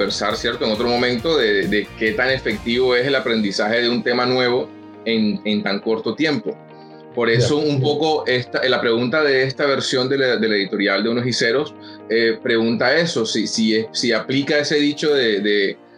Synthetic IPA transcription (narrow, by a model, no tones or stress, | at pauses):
beɾsaɾsje̞ɾt̪oeŋo̞t̪ɾo̞mõ̞mẽ̞nt̪o̞ðeðd̪eke̞t̪ane̞fe̞k̚t̪iβo̞e̞se̞lapɾe̞nd̪isaxe̞ðeunt̪e̞manwe̞βo̞ | enent̪aŋko̞ɾt̪o̞t̪je̞mpo | po̞ɾe̞soumpo̞ko̞ʔest̪alapɾe̞ɣunt̪aðe̞est̪aβ̞e̞ɾsjo̞nd̪e̞lad̪e̞le̞ðit̪o̞ɾjald̪e̞unosise̞ɾo̞s | epɾe̞ɣunt̪ae̞so̞sisiesiaplikae̞se̞ðit͡ʃo̞ðe̞ðe